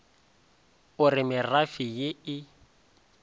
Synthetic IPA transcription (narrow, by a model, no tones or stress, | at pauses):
ʊrɪmɪrafijɪɪ